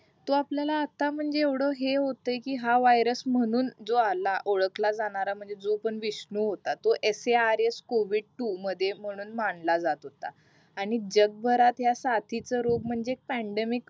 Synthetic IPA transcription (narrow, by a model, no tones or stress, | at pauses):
t̪oapljalaːt̪am̤əɳd͡zeːʋɽ̤ɔɦeɦot̪əekiːɦaʋajɾəsm̤əɽ̃uːnd͡zoalaʔoɭəklad͡zaɽ̃aɾam̤əɳd͡zed͡zopəɳʋiɕɳuɦot̪at̪oʔeseaɾeskoʋiɖ̚ʈuməd̪ʱjem̤əɽ̃uːnmaɳlad͡zat̪ɦot̪a̰ | aɽ̃id͡ʑəɡ̚bʱəɾat̪ɦjasat̪ʰit͡səɾoɡ̚m̤əɳd͡zeːk̚pæɳɖemik